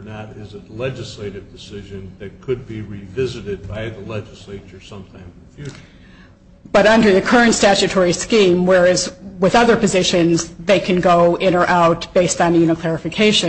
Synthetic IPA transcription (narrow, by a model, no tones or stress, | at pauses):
nəɾɪzɨtlɛd͡ʒɨsleɪɾɨvdɨsɪʒɨ̃nðɨt̚kʰɨd̚biɹivɪzɨɾɨd̚baɪðəlɛd͡ʒɨsleɪt͡ʃə˞sʌ̃mtʰãɪ̃mzfjʉt͡ʃə˞ | b̥ʌɾʌ̃ndə˞ðɨkʰɜ˞ɨ̃ntstæt͡ʃɨtʰɔɹiskĩmwə˞ɨzwɨðʌðə˞pɨzɪʃɨ̃nzðeɪkʰɨ̃nɡoʊɪ̃ɾ̃nə˞ʔaʊt̚b̥eɪstn̩jʉñɨkʰl̥ɛɹɨfɨkʰeɪʃɨ̃